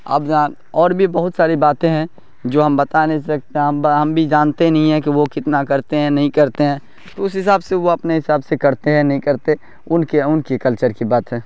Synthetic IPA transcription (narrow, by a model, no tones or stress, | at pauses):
a̰ːbd͡ʒa | ɔːɾbʱibɐɦʊt̪saːɾibaːt̪ẽɦɛ̃ | d͡ʒoːɦɐmbɐt̪anesɐk̚t̪eɦɛ̃ɦɐmɦɐmbʱid͡ʒaːnt̪enɐɦĩɦɛ̃k̬iʋokɪt̪nakɐɾt̪eɦɛ̃nɐɦĩkɐɾt̪eɦɛ̃ː | t̪oʊsɦɪs̬aːbseʋoɐpneɦɪsaːbsekɐɾt̪eɦɛ̃nɐɦĩkɐɾt̪e | ʊnkeʊnkikɐlt͡ʃəɾkibaːt̪ɦɛ̃ː